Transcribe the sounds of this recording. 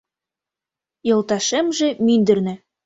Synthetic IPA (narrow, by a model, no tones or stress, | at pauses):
jɤ̆lˠt̪ɑʃĕmʒĕmynd̪ɘ̆rnɘ̆